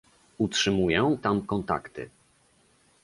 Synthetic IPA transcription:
utʂɘmujɛ̃t̪amkɔnt̪a̰kt̪ɘ̰

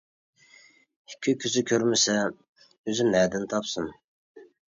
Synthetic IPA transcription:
hɪkʲʰːykʲʰyzɪkʲʰøɾmɪsɛ | øzymæd̪ɪnt̪ʰɑpsum

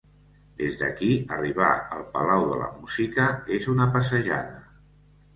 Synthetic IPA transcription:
d̪ezðə̰kiəriβ̞a̰əlˠpəlawðə̰lə̰muzikəezunəpəsəʒa̰ðə

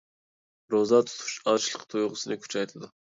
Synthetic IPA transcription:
ɾozɑt̪ʰu̥t̪ʰu̥ʃɑt͡ʃlˠəqt̪ʰojʁʊsɨnɨkʲʰy̥t͡ʃʰɑjt̪ʰɨd̪ʊ

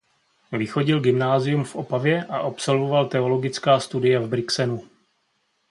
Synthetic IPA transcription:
vɪxo̞ɟɪlɡɪmnaːzɪjumfʔo̞pavjɛʔaʔopsolvo̞valt̪ɛo̞lo̞ɡɪt͡skaːst̪udɪjɛvbɾɪksɛnu

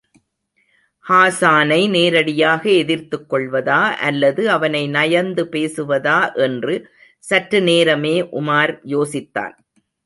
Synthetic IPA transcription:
haːsaːnɐɪneːɾɐɽɪjaːɣɐɛðɪɾt̪ɯkːɔɭʋɐðaːʔɐlːɐðɯɐʋɐnɐɪnɐjɐnd̪ɯpeːsɯʋɐðaːʔɛndrɯ | sɐʈɾɯneːɾɐmeːʔʊmaːɾjoːsɪt̪ːa̰ːn

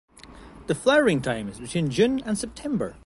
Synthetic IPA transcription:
ðəflaəɹɪ̃ŋtʰãɪ̃mɪzbɪtʰw̥ĩnd͡ʒʉ̃nə̃nsɛp̚tʰɛ̃mbə˞

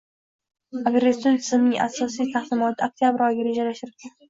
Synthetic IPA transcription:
aɡɾest̪ont̪ʰɪzɪmnɪŋʔa̰sɒsijt̪ʰahd̪ɪmɒt̪ʰɪok̚t̪ijabɪɾɒjɡʲaɾe̞d͡ʒalaʃɪɾɾk̪ʲʰan

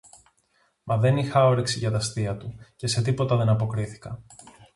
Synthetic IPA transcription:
mɐðe̞nixɐoɾeksiʝɐt̪ɐst̪iɐt̪uce̞se̞t̪̬ipo̞t̪ɐðe̞nɐpo̞kɾiθi̥kɐ

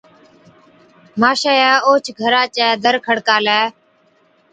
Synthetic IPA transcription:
maːʃaːjaːoːt͡ʃʰɡʱəɾaːt͡ʃɛːd̪əɾkʰəɽkaːlɛː

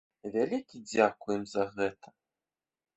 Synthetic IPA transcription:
vʲalʲikʲid͡zʲakujɛmzɐɣɛt̪ʰɐ̥

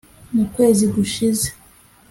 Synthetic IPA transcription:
mukwe̞ːziɡuʃize

